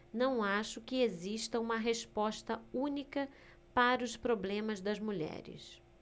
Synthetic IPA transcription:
nɐ̃w̃aʃʊkɪeziʃt̪ɐũmɐɦeʃpɔʃt̪ɐũnikɐ | paɾɐʊspɾoblẽmɐzd̪ɐzmuʎɛ̰ɾɪ̰s

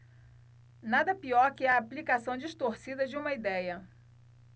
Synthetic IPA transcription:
nad̪ɐpiɔɾkɪɛɐːplikasɐ̃w̃d͡ʒiʃt̪oɾsid̪ɐd͡ʒɪũmɐid̪ɛjɐ

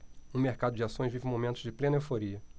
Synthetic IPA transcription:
ũmeɾkad̪ʊd͡ʒɪasõj̃zvivɪ̃momẽnt̪ʊzd͡ʒɪplẽnɐewfoɾiɐ

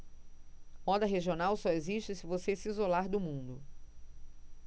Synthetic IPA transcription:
mɔd̪ɐɦeʒionawsɔeziʃt͡ʃɪsɪvosesizolaɾd̪ʊmũnd̪ʊ

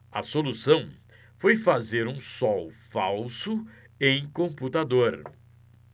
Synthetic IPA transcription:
ɐ̰solusɐ̃w̃ | fojfazeɾũsɔwfawsʊ | ẽj̃kõput̪ad̪oɾ

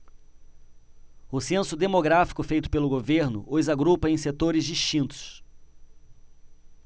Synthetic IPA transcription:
ʊsẽsʊd̪emoɡɾafi̥kʊfejt̪ʊ̥pelʊɡoveɾnʊ̰ʔojzaɡɾupɐẽj̃set̪oɾɪzd͡ʒiʃt͡ʃĩnt̪ʊ̥s

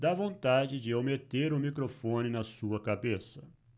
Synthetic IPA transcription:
d̪avõnt̪ad͡ʒɪd͡ʒɪewmet̪eɾʊmikɾofõnɪnɐsuɐkabesɐ̥

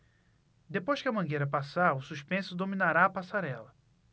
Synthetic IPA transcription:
d̪epojʃkɪɐmɐ̃ɡejɾɐpasaɾʊsuʃpẽsʊd̪ominaɾaɐpasaɾɛlɐ

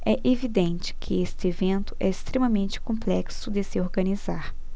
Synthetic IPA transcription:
ɛʔevid̪ẽnt͡ʃɪ̥kʰɪest͡ʃɪevẽnt̪ʊ̥ʔɛɪst̪ɾemɐmẽnt͡ʃɪ̥kõmplɛksʊd̪ɪsɪoɾɡɐnizaɾ

